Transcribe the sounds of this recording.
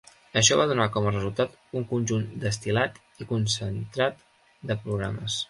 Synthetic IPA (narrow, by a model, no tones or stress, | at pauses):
əʃ̬ɔβað̞unakɔmərəzulˠt̪at̪ | uŋkunʲʒund̪əst̪ilat̪ | ikunsənt̪ɾat̪ | d̪əpɾuɣɾa̰məs